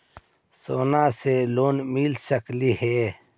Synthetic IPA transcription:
soːnaseloːnmilsəklihe

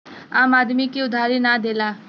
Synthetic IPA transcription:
aːmaːd̪mikiʊd̪ʱaːɾinaːd̪eːlaː

